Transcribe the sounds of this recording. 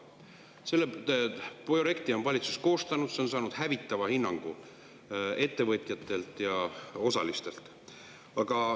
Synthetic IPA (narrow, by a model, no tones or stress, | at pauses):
se̞lːe | proje̞kt̪io̞nvɑlʲit̪susko̞ːst̪ɑnud̪̥se̞onsɑːnud̥̪hævit̪ːˑɑvɑhinːɑŋɡ̥ṵ | e̞t̪ːe̞vɤt̪ˑjɑt̪ːˑe̞lt̪ˑjɑo̞sɑ̰list̪e̞lt̪ˑ | ɑɡ̥ɑ